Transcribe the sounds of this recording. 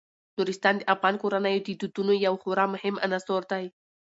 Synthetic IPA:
nuɾɪst̪ɑnd̪eʔafɣɑnkoɾanəjot̪it̪ut̪unojawxʊɾɑmʊhɪma̰nasoɾd̪aj

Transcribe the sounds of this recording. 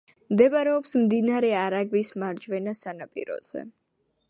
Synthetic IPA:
md̪ɛbaɾɛɔpsmd̪inaɾɛaɾaɡvismaɾd͡ʒvɛnasanapʼḭɾɔ̰z̥ɛ̰

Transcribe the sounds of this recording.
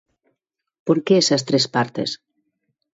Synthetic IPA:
poɾkeesast̪ɾespaɾt̪ḛs

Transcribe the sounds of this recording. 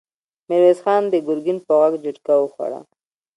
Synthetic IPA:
mɪɾwezxɑnd̪əɡʊɾɡɪnpəɣaɡd͡ʒuʈkawəxwa̰ɽa̰

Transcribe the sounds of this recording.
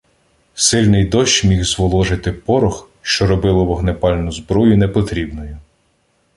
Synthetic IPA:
sɪlʲnɪjd̪ɔʃt͡ʃmʲixzʋɔlˠɔʒɪt̪ɪpɔɾɔx | ʃt͡ʃɔɾɔbɪlˠɔʋɔɦnepɑlʲnʊzbɾɔjʊnɛpɔt̪ɾʲibnɔjʊ

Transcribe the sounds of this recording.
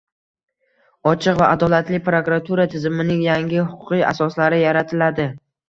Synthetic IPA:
ɒt͡ʃʰɨqvaʔad̪ɒlat̪lɪpɾokɾat̪ʰuɾat̪ʰɪzɪmɪnɪŋjaŋʲɪhʊqʰʊ̥qɨa̰sɒslaɾɪjaɾat̪ʰɪlad̪ɪ

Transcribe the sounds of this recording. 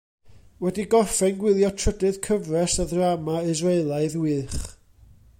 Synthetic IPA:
wɛdiɡɔrfɛnɡwɪlˠjɔtʰr̥ədɨðkʰəvrɛsaðramaɪzreɨlˠaɨðwɨːχ

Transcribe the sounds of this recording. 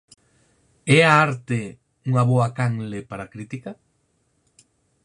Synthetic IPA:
ɛaaɾt̪e | uŋaβoakaŋlepaɾakɾit̪ika

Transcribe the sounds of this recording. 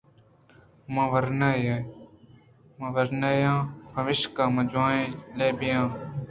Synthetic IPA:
mãːʋəɾnaːje | mãːʋəɾnaːjãːbʱəʋɪʃkãːmə̃d͡ʒãːẽːleːbɪjãː

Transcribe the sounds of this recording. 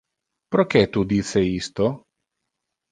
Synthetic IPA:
pɾok̟ɛt̪ud̪isːeist̪o

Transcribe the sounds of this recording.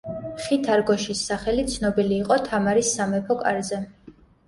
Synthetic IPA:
χit̪ʰaɾɡɔʃisːaχɛlit̪sʰnɔbiliːqʼɔt̪ʰamaɾisːamɛpʰɔkʼa̰ɾzɛ

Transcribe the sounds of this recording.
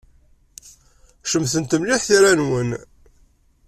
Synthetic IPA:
ʃəmθənt̪əmliħθiɾænwən

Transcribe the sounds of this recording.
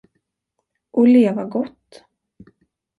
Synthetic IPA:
ʔɔleːvaɡɔt̪ː

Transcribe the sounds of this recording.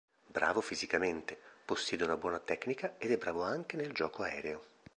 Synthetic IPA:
bɾa̰ːvofizikament̪eposːjɛːd̪eunabwɔːnat̪ɛkːnikaed̪ɛbɾaːvoaŋk̟eneld͡ʒɔːkoaɛ̰ːɾeo

